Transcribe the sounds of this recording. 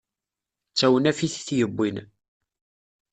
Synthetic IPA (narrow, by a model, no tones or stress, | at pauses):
t͡sːæwənæfiθθjəbʷːin